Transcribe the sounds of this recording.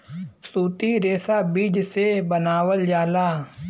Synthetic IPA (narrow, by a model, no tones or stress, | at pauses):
suːt̪iɾeːsabiːd͡ʒsebənaːwəld͡ʒaːlaː